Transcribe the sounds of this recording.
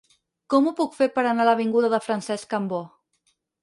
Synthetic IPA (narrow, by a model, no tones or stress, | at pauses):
kɔmupukfeɾpəɾənaləβ̞iŋɡuðəðəfɾənsɛskəmbo